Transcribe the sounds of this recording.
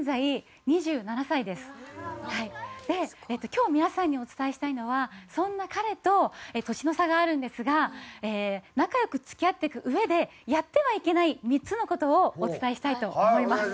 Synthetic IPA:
zai | ɲ̟iʑɨːnanasaid̪e̞sɨ̥haid̪̥e̞et̪ːo̞kʲo̞ːmʲinasãɲ̟ːio̞t͡sɨ̥t̪aeɕi̥t̪aino̞βasõ̞nːakaɾe̞t̪o̞et̪o̞ɕino̞saɡaːɾɯ̟̃nd̪e̞sɨɡaeːnakajo̞kɯ̟t͡sɨ̥kʲiat̪ːe̞kɯ̟ʔɯ̟e̞d̪e̞ | jat̪ːe̞βaike̞naimʲit͡sɨno̞ko̞t̪o̞ːt͡sɨ̥t̪aeɕi̥t̪ait̪o̞ːmo̞imasɨ̥

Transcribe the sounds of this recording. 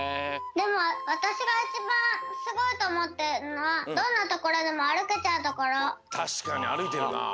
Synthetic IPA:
d̪e̞moβat̪aɕiɡait͡ɕibãsɨɡo̞it̪omot̪ːeɾɯnoβad̪õnːat̪okoɾod̪emoaɽɯ̟ket͡ɕaɯt̪okoɾot̪ʰaɕkania̰ɽɯt̪eɾɯna̰

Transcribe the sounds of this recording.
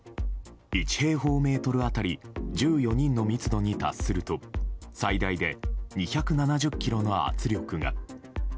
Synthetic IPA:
it͡ɕi̥he̞ːɦo̞ːme̞ːt̪o̞ɾɯ̟at̪aɾʲid͡ʑɨːjo̞ɲ̟ĩnːo̞mʲit͡sɨd̪o̞ɲ̟it̪a̰sːɨɾɯ̟t̪o̞said̪aid̪e̞ɲ̟içakɯ̟nanaʑɨkʲːiɾo̞no̞a̰t͡sɨɾʲo̞kɯ̟ŋa̰

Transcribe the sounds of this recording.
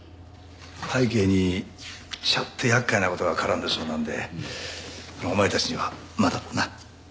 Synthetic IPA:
haike̞ːɲ̟i | ɕat̪ʰːeçakːainako̞t̪oɡakʰaɾãnd̪eso̞ːnãnd̪e̞̰ | sonoːmaet̪at͡ɕiɲ̟iβa | mad̪at̪ːana

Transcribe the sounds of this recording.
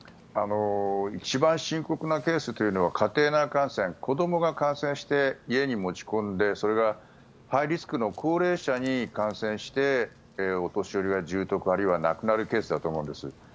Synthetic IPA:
ano̞it͡ɕibãɰ̃ɕĩŋko̞kɯ̟nake̞ːsɨt̪o̞jɯ̟no̞β̞akʰat̪e̞ːnakãɰ̃sẽ̞ŋko̞d̪o̞mo̞ɡakãɰ̃sẽɕi̥t̪e̞ie̞ɲ̟imo̞t͡ɕi̥kõ̞nd̪e̞so̞ɾe̞ɡa | haiɾʲisɨ̥kɯ̟no̞kʰo̞ːɾe̞ːɕaɲ̟ikãɰ̃sẽ̞ɰ̃ɕi̥t̪e̞ | o̞t̪o̞ɕio̞ɾʲiɡaʑɨːt̪o̞kɯ̟aɾɯiβana̰kɯ̟naɾɯ̟ke̞ːsɨd̪at̪o̞ːmõ̞ːnd̪e̞sɨ

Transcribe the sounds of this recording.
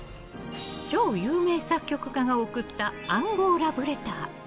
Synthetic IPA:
t͡ɕo̞ːjɯːme̞ːsakʲːo̞kɯ̟kaŋɡao̞kɯ̟t̪ːaãŋɡo̞ːɾabɯ̟ɾe̞t̪aː

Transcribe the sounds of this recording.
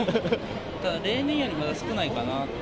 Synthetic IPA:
t̪ad̪aɾe̞ːnẽ̞ɰ̃jo̞ɾʲimad̪asɨ̥kɯ̟naikana

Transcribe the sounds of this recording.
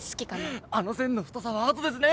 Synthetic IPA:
sɨ̥kʲikanaano̞sẽ̞nːoɸɯ̥t̪osaβaːt̪od̪e̞s̬ɨne

